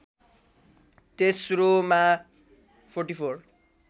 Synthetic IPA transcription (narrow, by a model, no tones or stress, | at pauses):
t̪esroma | pʰorʈipʰor